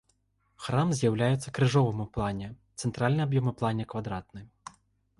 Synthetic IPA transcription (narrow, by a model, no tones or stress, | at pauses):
xɾamzʲjawlʲajɛt̪sːɐkɾɨʐɔvɨmuplˠanʲɛt̪sɛnt̪ɾalʲnɨabjɔmɨplˠanʲɛkvad̪ɾat̪nɨ